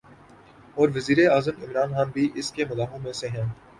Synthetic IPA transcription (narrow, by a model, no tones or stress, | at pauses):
ɔːɾʋɐziːɾeaːzəmɪmɾaːnxaːnbʱiʔɪskemʊlaːɦõmẽseɦɛ̃ː